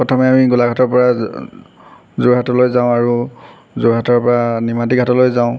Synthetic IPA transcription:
pɹɔtʰɔmɛamiɡulaɡʱatɔɹpɔɹa | zʊɹɦatɔlojzãʊ̃aɹu | zʊɹɦatɔɹpɔɹanimatiɡʱatɔlojzãʊ̃

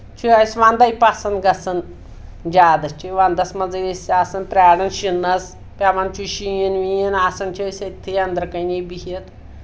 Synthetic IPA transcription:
t͡ʃʰuasʋand̪ɐjpasɐnɡɐsɐn | d͡ʒʲaːd̪ɐst͡ʃʰuʋand̪ɐsmɐd͡zɐɾʲisaːsɐnpɾʲaːɽɐnʃinːɐs | pʲaʋant͡ʃʰuʃijɐnʋijɐnaːsɐnt͡ʃʰesʲɐt̪ʰːɨjɐnd̪ɾɐkɐnʲejbihɐt̪

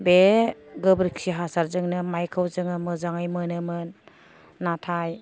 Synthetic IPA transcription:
beɡɯbɾiksiɦasaɾzɯŋnɯmajkʰawzɯŋɯmɯzaŋajmɯnɯmɯnː | atʰaj

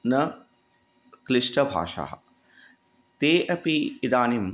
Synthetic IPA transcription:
nɐ | kliʂʈɐbʱa̰ːʃa̰ːɦɐ̰ | t̪eːʔɐpiːd̪aːnim

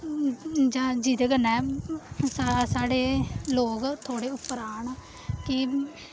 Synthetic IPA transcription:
d͡ʒãːd͡ʒiːd̪eːɡənɛːsasaːɽeːloːɡt̪ʰoːɽeːʊpːɾaːɳ | kɪ

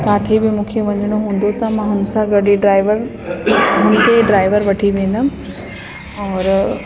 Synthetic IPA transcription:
kaːt̪ʰibɪmũːkʰeʋɐ̃ɲəɽ̃oɦũːn̆d̪ot̪ɐmãɦʊnsãɡɐɖiɖɾaːɪʋəɾ | ɦʊnkʰeɖɾaːɪʋəɾʋɐʈʰiʋẽːn̆d̪ã | ɔːɾ

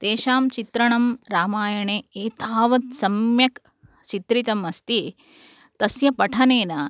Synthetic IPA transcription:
t̪eːʃaːmt͡ʃit̪ɾɐɳɐmɾaːmaːjɐɳeːeːt̪aːʋɐt̪̚sɐmjɐk | t͡ʃit̪ɾit̪ɐmɐst̪i | t̪ɐsjɐpɐʈʰɐneːnɐ

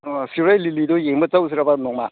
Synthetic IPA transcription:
siɾajlilidojeŋbət͡saws̬iɾabanɔŋma

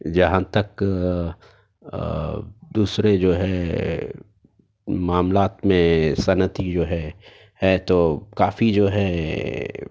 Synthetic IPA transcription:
d͡ʒɐɦãt̪ɐk | d̪uːsɾed͡ʒoːɦɛ | maːmlaːt̪mẽsɐnət̪id͡ʒoːɦɛ | hɛt̪okaːfid͡ʒoːɦɛ

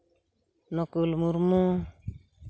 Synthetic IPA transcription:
nɔkulmuɾmu

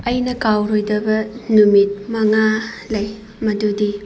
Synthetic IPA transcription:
ɐjnɐkawɾojdɐbɐnumit̚mɐŋalɐj | mɐdudi

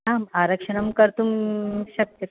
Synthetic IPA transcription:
aːmaɾɐkʂɐnɐmkɐɾt̪umɕɐk̚t̪jɐ

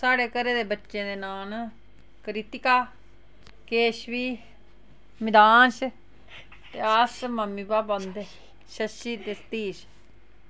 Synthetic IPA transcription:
saːɽeːkəɾeːd̪eːbətːʃẽːd̪eːnaːn | kəɾit̪ɪkaː | keːʃʋiː | mɪd̪aːnʃ | t̪eːaːsməmːiːbaːbõnd̪e | ʃəʃiːt̪est̪iːʃ

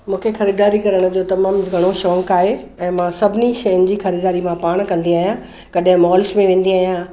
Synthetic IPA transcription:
mũːkʰexɐɾiːd̪aːɾikɐɾəɽ̃ʊ̆d͡ʑoːt̪ɐmaːmɡʱɐɽ̃oʃɔ̃ːŋkaːɦe | ɛ̃ːmãsɐbʱɪniʃɐjʊnɪ̆d͡ʑiːxɐɾiːd̪aːɾimãpaːɽ̃kɐ̃nd̪iaːɦijã | kɐɗɦɪ̃mɔːlsmẽʋẽːn̆d̪iaːɦijã

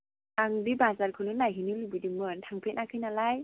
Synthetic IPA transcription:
aŋdibazaɾkʰɯnɯnajɦinɯlɯbɯdimɯntʰaŋpʰet̚nakʰɯjnalaj

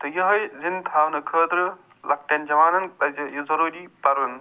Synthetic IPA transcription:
t̪ɐjɐɦɐjzint̪ʰaːwnɨkʰəːt̪ɾɨ | lʔɐk̚ʈɐnd͡ʒɐʋaːnɐnɐzijzɐɾuːɾipɐɾɐn

